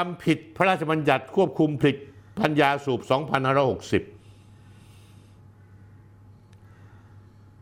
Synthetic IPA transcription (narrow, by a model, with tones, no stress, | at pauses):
a˧mpʰi˨˩t̪̚pʰa˦ɾaː˥˩t͡ɕʰa˧ba˧nja˨˩t̪̚kʰu˥˩əp̚kʰu˧mpʰli˨˩t̪̚pa˧njaː˧suː˨˩p̚sɔː˩˦ŋpʰa˧nhaː˥˩ɾɔː˥˩ho˨˩k̚si˨˩p̚